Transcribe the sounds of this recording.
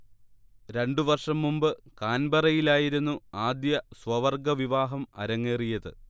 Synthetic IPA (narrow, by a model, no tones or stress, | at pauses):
ɾe̞ɳɖuʋɐrʂɐmːumbɨkaːnbɐrɐjilaːjiɾunːuaːd̪jɐswɐʋɐrɡɐʋiʋaːɦɐmɐ̰ɾɐŋːeːrijɐðɨ